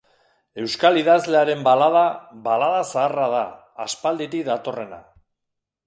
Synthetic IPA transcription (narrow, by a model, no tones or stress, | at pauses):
e̞wskaliðazle̞aɾe̞mbalaðaβalaðasaːraðaː | spald̪iɾiðat̪o̞re̞na̰